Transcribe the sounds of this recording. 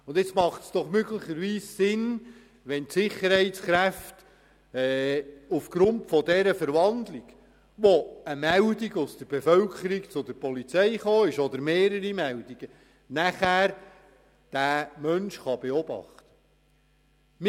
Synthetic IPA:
ʊndɪt͡smɑχtsd̥ɔχmøɡlɪχəɾʋiːssɪn | ʋɛntsɪχəɾhɛɪtsχɾæft | ɛːufɡ̥ɾʊntfɔdɛɾəfəɾʋɑndliɡ̥ | ʋoəmæwdiɡʊsd̥əɾb̥efœlkʰəɾikt͡sʊdəɾpɔlit͡sɛɪχoːɪʃɔd̪əɾmeːɾəɾimɛwd̥iɡ̥ə | næχæːɾ | d̥æːmœnʃχɑb̥eɔb̥ɑ̰χt̪ə̥ | m

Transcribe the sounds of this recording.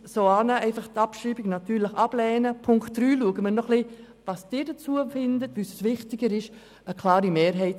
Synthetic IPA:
soɑːnəɛɪfɑχtɑpʃiːbɪɡnɑtyːɾləχɑb̥lɛːnəpʰʊŋktːɾyːluəɡəməɾnɔχli | vɑsd̥ɪːdət͡suəfɪndətʋyssvɪχtɪɡəɾɪʃ | əkʰlɑːɾimeːɾɦɛɪt

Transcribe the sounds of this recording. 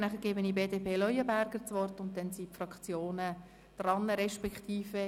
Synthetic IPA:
næχəɾɡ̥eːbənibeːdepʰeːlœʏəbæɾɡəɾt͡sʋɔrtʊnt̚dɛnsipfrɑkt͡sjoːnə | d̪̥rɑnːəɾɛʃpɛkχtiːfə

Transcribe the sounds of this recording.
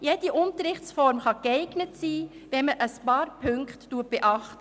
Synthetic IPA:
jed̥iʔʊnt̪əɾɪχtsfɔɾmχɑkɛɪɡnətsiː | ʋɛnməʔəspɑːɾpʰøŋkχtːuət̚b̥eʔɑχtə

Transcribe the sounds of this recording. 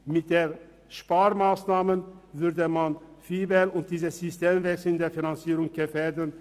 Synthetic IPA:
mɪt̚d̥eː | ʃpaːʁmaːsnaːmənvʏʁdəmanfiːbɛnʊnt̚d̥iːzəz̥ysteːmvɛksl̩ndeːɐfinant͡siːʁʊŋɡ̥əfeːɐdən

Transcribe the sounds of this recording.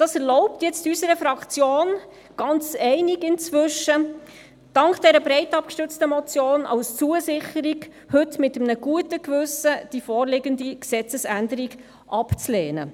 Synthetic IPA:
d̥ɑːsɛɾlɔʊp̚tjɛt͡stysəɾəfɾɑkt͡sjoːn | ɡ̥ɑnt͡sɛɪnɪɡɪnt͡svʏʃə | d̥ɑŋkd̥ɛɾəbɾɛɪtɑp̚kʃtʏt͡stəmɔt͡sjoːnʔɑ̰ʊst͡suəsɪχəɾiɡ | hɵtmɪtəmnəɡ̥uətəkvʏsəd̥ifɔːɾlɪɡəndiksɛt͡səsændəɾiɡ | ʔɑpt͡sleːnə̰

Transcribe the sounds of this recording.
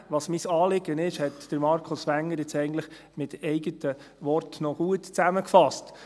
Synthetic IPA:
ʋɑsmisɑːlɪɡənɪʃhɛtd̥əɾmɑɾkʰʊsʋæŋːəɾjɪt͡sɛɪɡən̩tləχ | mɪtɛɪɡətə | ʋɔrtnɔɡ̥uətt͡sæməkfɑst

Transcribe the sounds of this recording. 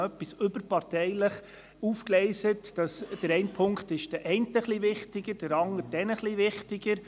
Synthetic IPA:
œpːisɵbəɾpɑrtɛɪləχ | uːfklɛɪsətd̥ɑsd̥əɾɛɪnpʰʊŋkχtɪʃd̥əʔɛɪntəχliʋɪχtɪɡ̥əd̥əɾɑnəɾd̥ɛnəχliʋɪχtɪɡəɾ

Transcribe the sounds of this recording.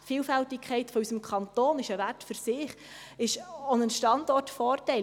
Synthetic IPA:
tfiːlfæltɪkʰχɛɪtfɔysəmkʰɑntoːnɪʃəværtfyɾsɪːχ | ɪʃonənʃtɑndɔrtfɔːrtɛɪ

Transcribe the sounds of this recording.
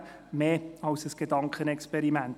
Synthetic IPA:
meːɑʊsəsɡ̥edɑŋkχənɛkspɛɾimænt

